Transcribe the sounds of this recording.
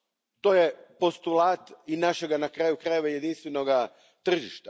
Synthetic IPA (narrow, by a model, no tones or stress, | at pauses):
t̪o̞jepo̞st̪ulˠaːt̪inaʃe̞ɡanakɾaːjukɾaje̞ʋajed̪inst̪ʋe̞noɡa | t̪r̩ʒiʃt̪a